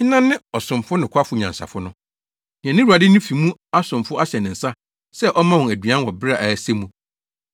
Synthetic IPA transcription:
ɲɪ̃˦nã˦nːɪ̃˦ɔ˨sʊ̃˨mfʊ˦nɪ̃˨kʰʷa˦fʊ˨˦ɲã˨nsa̰˨fʊ˦nʊ̃˦ | nɪ̃˨ɛ̃˨nɪ̃˦wu˨a˨dɪ˦nɪ̃˦fi˨mũ˦a˦sʊ̃˨mfʊ˦a˦ɕɛ˨nɪ̃˨n̩˨sa˦ | sɛ˦ʔɔ˦mã˦wʊ̃˨æ˨dɥã˦nwɔ˨bɪ˦ɾa˨ʔæ˨se˦mũ˦

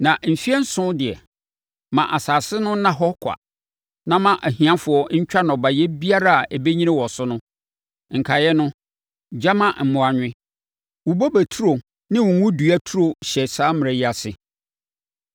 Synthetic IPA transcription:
nã˨ʔm̩˨fi˦ɛ˦n̩˦sʊ̃˦dɪ˨ɛ˨ | mã˨ʔa˨saː˨sɪ˦nʊ̃˦nã˦ɦɔ˦kʰa̰˨ | nã˦˨mã˨ʔæ˨hĩ˨ã˦fʊ˨ɔ˦ɲ̩˦t͡ɕᶣa˦nɔ̃˨ba˨jɛ˦bi˦a˦ɾa˦a˨ʔɛ˨be˦ɲĩ˦nɪ̃˦wɔ˨sʊ˦nʊ̃˦ | ŋ̩˨kʰa˨jɛ˦nʊ̃˦ | d͡ʑa˦mã˨m̩˨mʊ̃˨a˨ɲᶣɪ̃˦ | wu˨bo˦bæ˨tʰu˦ɾo˨ | nɪ̃˦wʊ̃˨ŋʊ̃˦du˨æ˦tʰu˦ɾo˨ɕɛ˨saː˦mɪ̃˨ɛ˨jɪ˦a˨sɪ˨

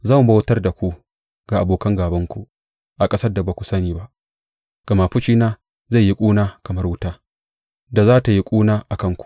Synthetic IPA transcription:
za˦˨m˨ba˦wtɐ˦rda˨kʷu˦ | ɡ̥a˨ʔa˨boː˨kɐ˦ŋɡaː˨bɐ˦ŋkʷu˦ | ʔa˨kʼɐ˦sɐ˦rda˨baː˨kʷu̥˨sɐ˦niː˨ba˦ʔ | ɡ̥ɐ˨ma˨ɸʊ˦t͡ʃiː˦naː˦ | za˦˨jːi˦kʷʼuː˦naː˦kɐ˨mɐ˦rwʊ˦taː˦ | da˨zaː˦ta˨ji˦kʷʼuː˦naː˦ʔa˨kɐ˦ŋkʷu̥˨ʔ

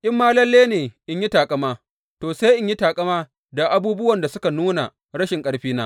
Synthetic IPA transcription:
ʔʲʼɪ˦mːaː˦lɐ˦lːeː˦neː˨ʔɪ˦ɲji˦taː˨kʼɐ˦maː˦ | toː˨se˦jʔɪ˦ɲji˦taː˨kʼɐ˦maː˦ | da˨ʔa˨˦buː˦bʊ˦wɐ˨nda˨sʊ˦ka˨nuː˦na˨ | ɽɐ˦ʃɪ˨ŋkʼɐ˦ɽɸiː˦naː˦

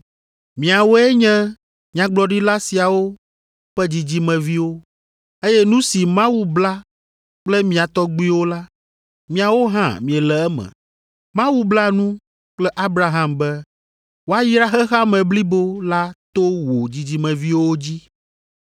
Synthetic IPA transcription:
mĩ˨a˨wo˦ɛ˦ɲɛ̃˦ | ɲã˦ɡ͡blɔ˨ɖi˦la˦si˨a˨wo˦ | ɸɛ˦d͡ʑi˨d͡ʑi˦mɛ̃˨vi˦wo˦ | e˦jɛ˦nũ˦si˨mã˦wu˦bla˦ | k͡plɛ˦mĩ˨a˨t̪ɔ˦ɡ͡bu˦i˦wo˦la˦ | mĩ˨a˨wo˦ɦã̰˦˨mĩ˨ɛ˨lɛ˨ɛ˦mɛ̰̃˨ | mã˦wu˦bla˦nũ˦ | k͡plɛ˦ʔa˦bɾa˦ɦa˦mbɛ˦ | wo˦a˦ji˦ɾa˦xɛ˦xa˦mɛ̃˨bli˦bo˦la˦t̪o˦wo˨d͡ʑi˨d͡ʑi˦mɛ̃˨vi˦wo˦wo˦d͡ʑi˦

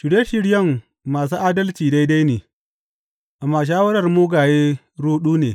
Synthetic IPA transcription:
ʃɪ˨ɽe˦ʃɪ˦ɽjɐ˦mː | aː˨s̬uː˦ʔaː˦dɐ˦lt͡ʃiː˨da˦jda˦jneː˨ | ʔa˨mːaː˨ʃ̬aː˦wɐ˦ɽɐ˨rmuː˦ɡaː˨jeː˦ | ɽuː˦ɗuː˦neː˨

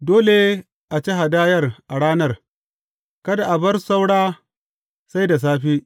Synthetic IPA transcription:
doː˦le˨ | ʔa˨t͡ʃe˦ɦa˨daː˦jɐ˦rʔa˨ɽaː˦nɐ˦˨r | kɐ˦da˨ʔa˨bɐ˦rsa˦wɽaː˦ | sa˦jda˨s̬aː˦ɸiː˦ʔ

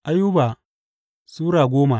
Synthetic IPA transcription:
ʔa˦ju˦ba˨ | suː˦ɽaː˨ɡʷoː˦ma˨

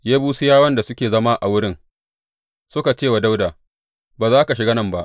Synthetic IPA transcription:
jaː˦buː˦si˦jaː˦wɐ˦nda˨sʊ˦kʲeː˨zɐ˦maː˦ʔa̰˨wʊ˦ɽɪ˦ŋ | sʊ˦ka˨t͡ʃeː˦˨wa˨da˦wdaː˨ | baː˨zaː˦ka˨ʃɪ˨ɡa˦nɐ˦˨mba˦ʔ

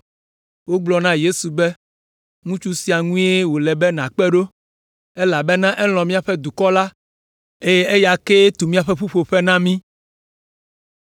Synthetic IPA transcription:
wo˦ɡ͡blɔ˦nã˦je˦su˨bɛ˦ | ŋũ˦t͡ʃu˦si˦a˨ŋũ˦e˦wo˨lɛ˨bɛ˦nã˨k͡pɛ˦ɖo˦ | e˦la˨bɛ˦nã˦ʔɛ˦l̃ɔ̃˨mĩ˦a˨ɸɛ˦d̪u˨kɔ˦la˦ | e˦je˦e˦ja˨ke˦t̪u˨mĩ˦a˨ɸɛ˦ɸu˦ɸo˨ɸɛ˦nã˦mĩ˦

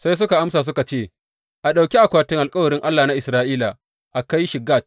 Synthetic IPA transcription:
sa˦js̬ʊ˦ka˨ʔa˦msaː˨s̬ʊ˦ka˨t͡ʃeː˦˨ | ʔa˨ɗa˨wkʲi˦ʔa˨kʷaː˦tɪ˦ŋʔa˨lkʼɐ˦wɐ˨ɾɪ˦ŋʔa˦lːaː˨na˦ʔɪ˨sɾaː˦ʔiː˦la˨ | ʔa˨ka˦jʃɪ˨ɡaː˦˨t̚

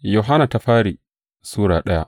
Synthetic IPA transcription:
jo˨ɦa˦naː˨ta˦ɸaː˦ɾi˨ | suː˦ɽaː˨ɗɐ˦ja̰˦ʔ

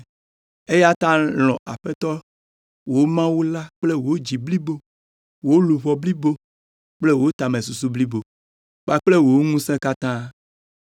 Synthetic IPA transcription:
e˦ja˦t̪ã˦l̃ɔ̃˨a˨ɸe˦t̪ɔ˦ | wo˨o˦mã˦wu˦la˦k͡ple˦wo˨o˦d͡ʑi˨bli˦bo˦ | wo˨˦lu˨βɔ˨bli˦bo˦ | k͡ple˦wo˨˦o˦t̪a˨mẽ˨su˨s̬u˦bli˦bo˨ | k͡pa˦k͡ple˦wo˨wo˦ŋũ˦sẽ˦ka˦t̪ã˦

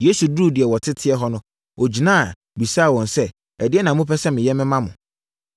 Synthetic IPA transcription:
je˦su˨duː˦˨dɪ˨ɛ˨wɔ˨tʰɪ˦tʰɪ˦ɛ˦ɦɔ˦nʊ̃˦ | ʔɔ˨d͡ʑi˨nã˦˨ | bi˨saː˦˨wɔ̃˨nsɛ˦ | ɛ˨dɪ˦ɛ˦nã˨mʊ̃˦pɛ˦sɛ˦mɪ̃˨jɛ˦mɪ̃˦mã˦mʊ̰̃˨

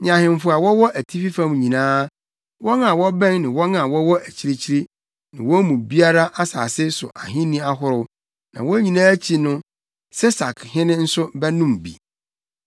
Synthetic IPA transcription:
ɲã˨ɦɪ̃˨m˨fʊ˨a˨wɔ˦wɔ˦ʔæ˨tʰi˦fi˦fã˦m˨ɲĩ˨nãː˦ | wɔ˦na˨wɔ˦bɛ̃˦ŋnɪ̃˨wɔ˦nã˨wɔ˦wɔ˦ʔæ˨t͡ɕʰi˦ɾi˦t͡ɕʰi˦ɾi˦ | nɪ̃˨wɔ˦mũ˨bi˦a˦ɾa˦ʔa˦sa̰ː˨sɪ˦sʊ̰˨ʔa˨ɦɪ̃˦nĩ˦a˦ɦʊ˦ɾʊ˦ | nã̰˨wɔ˦ɲĩ˨nãː˦t͡ɕʰi˨nʊ̃˦ | sɛ˦sa˨kʰhɪ̃˦nɪ̃˦n̩˦sʊ˦bɛ˦nũ˦˨mbḭ˨

